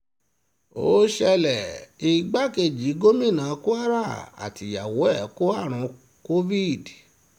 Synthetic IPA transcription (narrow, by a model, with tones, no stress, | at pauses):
o̰˨˦ʃɛ˧lɛ˨i˧ɡ͡ba˦ke˧˨d͡ʒi˨˦ɡo˦mĩ˦˨nãː˨˦ko˦a˦ɾa˦˨a̰˨ti˨ja˨wo˨˦ɛ˦˨˦ko˦a˦˨ɾ̃ɔ̃˧ | ko˦vi˦˨d